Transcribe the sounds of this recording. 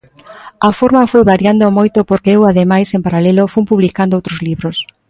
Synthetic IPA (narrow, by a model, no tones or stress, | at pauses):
afoɾmɐfojβaɾjand̪omojt̪opoɾkeewaðemajsempaɾalɛlofumpuβlikand̪oowt̪ɾozliβɾos